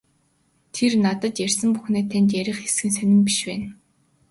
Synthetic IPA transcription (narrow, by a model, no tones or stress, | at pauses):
t̪ʰernat̪ə̆t̪jærʲsə̆mpuxneːt̪ʰænʲt̪̬jæɾʲɪ̆χesɡɘ̆ns̬œnʲɪ̆mpiʃpæːn